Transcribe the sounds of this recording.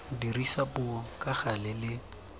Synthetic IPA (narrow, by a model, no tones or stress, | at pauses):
dirisapʊɔkʼaχalɪlɪ